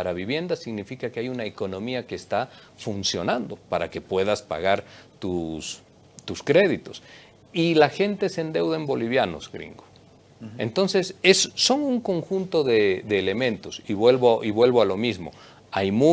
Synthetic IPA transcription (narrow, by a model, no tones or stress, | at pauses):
paɾaβiβje̞nd̪asiɣnifikakeajunaeko̞nõ̞miake̞ːst̪a | funsjo̞̰nãnd̪o̞paɾake̞pwe̞ðaspa̰ɣaɾt̪us | t̪uskɾe̞ðit̪o̞s | ilaxe̞nt̪esend̪e̞wðaembo̞liβjano̞̰zɡɾḭŋɡo | ḛnt̪o̞nse̞sesːo̞ŋuŋko̞ŋxunt̪o̞ðeðeːle̞mẽ̞nt̪o̞siβwe̞lβoʔiβwe̞lβoalo̞mizmo̞̰ | ajmu